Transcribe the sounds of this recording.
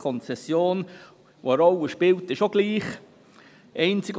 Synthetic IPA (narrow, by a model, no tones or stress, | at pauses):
kʰɔnt͡sɛsjoːn | o̰əɾɔlːəʃpɪltɪʃoɡ̥liːχ | ʔɛɪnt͡sɪɡ